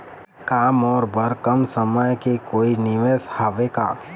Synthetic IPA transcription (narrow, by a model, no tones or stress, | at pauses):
kaːmɔːɾbəɾkəmsəməjkekoːinɪʋeshaːʋeːka̰ː